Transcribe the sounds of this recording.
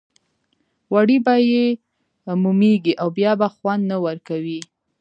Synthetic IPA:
waɽibaje | mumeɡiʔawbjɑbaxwand̪nawəɾkawi

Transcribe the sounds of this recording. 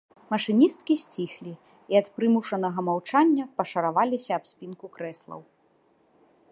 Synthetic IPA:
mɐʂɨnʲist̪̚kʲisʲt͡sʲixlʲi | iɐt̪pɾɨmuʂɐnɐɣɐmawt͡ʂanʲːɐpɐʂɐɾavalʲisʲɐːpsʲpʲinkukɾɛslˠɐ̰w

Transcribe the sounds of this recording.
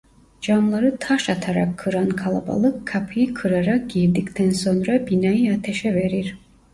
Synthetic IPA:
d͡ʒamlˠaɾɯt̪ʰaʃat̪ʰaɾakʰːɯɾankʰalˠa̰ba̰lˠɯkʰːapʰɯjɯkʰɯɾaɾak̚ɟiɾd̪ict̪ʰænso̞nɾabinajat̪ʰeʃɛveɾiɾ̥

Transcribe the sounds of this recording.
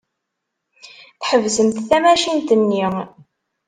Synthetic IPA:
θħəvzəmθθæmæʃint̪ənːi

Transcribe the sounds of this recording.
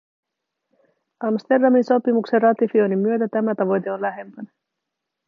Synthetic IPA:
ɑmst̪e̞rdɑminso̞pimukserrɑt̪ifio̞jnimːyø̞t̪æt̪æmæt̪ɑʋo̞jt̪e̞o̞nlæɦe̞mpæn

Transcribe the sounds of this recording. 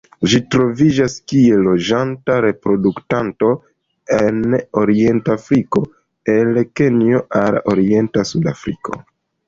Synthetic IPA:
ʒitɾo̞vid͡ʒaskie̞lo̞d͡ʒantaɾe̞pɾo̞duktanto̞ | eno̞ɾie̞ntafɾiko̞ | elke̞nio̞aloɾie̞ntasudafɾikʰo̞̰

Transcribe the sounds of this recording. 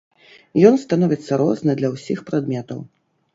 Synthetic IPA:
jɔnst̪anɔvʲit̪sːɐɾɔznɨd̪lʲɐwsʲixpɾad̪mʲɛt̪ɐ̰w

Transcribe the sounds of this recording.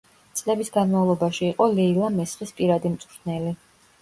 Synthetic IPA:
t̪sʼlɛbisɡanmavlˠɔbaʃiːqʼɔlɛilˠamɛsχispʼiɾad̪imt̪sʼɾʰnɛli

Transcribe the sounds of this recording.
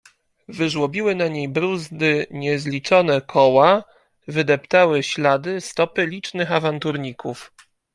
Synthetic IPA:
vɘʐwɔbʲiwɘnaɲejbɾuzd̪ɘɲɛzlʲit͡ʂɔnɛkʰɔwa | vɘd̪ɛpt̪awɘɕlad̪ɘst̪ɔpɘlʲit͡ʂnɘxavant̪uɾɲikʰuf

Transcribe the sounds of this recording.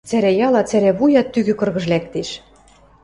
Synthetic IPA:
t͡sæɾæjɑlɑt͡sæɾæβujɑt̪ːyɣø̆kɤ̆rɣɤ̆ʒlækt̪eʃ

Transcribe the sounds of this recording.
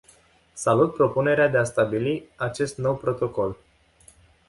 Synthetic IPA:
salut̪̚pɾo̞pune̞ɾead̪e̞ast̪abiliat͡ʃe̞st̪no̞wpɾo̞t̪o̞ko̞l

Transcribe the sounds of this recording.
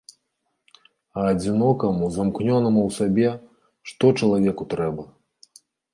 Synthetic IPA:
ɐːd͡zʲinɔkɐmuzamknʲɔnɐmuwsabʲɛ | ʂt̪ɔt͡ʂɐlˠavʲɛkut̪ɾɛbɐ

